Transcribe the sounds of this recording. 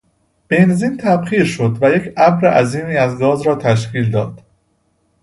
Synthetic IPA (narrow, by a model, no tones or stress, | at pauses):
b̥enziːnt̪ʰæbχiːɾʃo̞d̪væjecʰæbɾeʔæziːmiːæzɡɒːzɾɒːt̪ʰæʃ̬ciːld̪ɒːd̪̥